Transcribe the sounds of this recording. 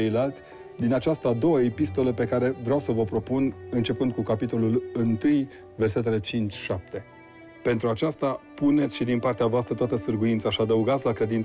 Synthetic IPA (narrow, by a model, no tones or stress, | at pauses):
ejlalt̪sʲ | d̪inat͡ʃast̪əad̪o̞wəe̞pist̪o̞ləpe̞kaɾe̞vɾeawsəvəpɾo̞punɨnt͡ʃe̞pɨnd̪̚kukapit̪o̞lulɨnt̪ɨj | verse̞t̪̬e̞le̞t͡ʃint͡ʃʲʃap̚t̪e̞ | pe̞nt̪ɾuat͡ʃast̪apune̞t̪sʲʃid̪inpart̪eavoast̪ɾət̪oat̪əsɨrɡuint̪saʃiad̪əuɡat̪sʲlakɾe̞d̪in